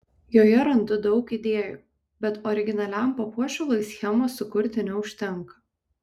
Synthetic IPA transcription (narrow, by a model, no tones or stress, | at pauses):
joːjɛɾɐnd̪ʊd̪ɒʊkid̪ʲeːjuː | bʲɛt̪ɔɾʲɪɡʲɪnɐlʲæˑmpɐpuɔʃʲɛlˠɐɪsʲxʲɛmoːsʊkʊɾʲt̪ʲɪnʲɛʊʃʲt̪ʲɛŋˑkɐ̥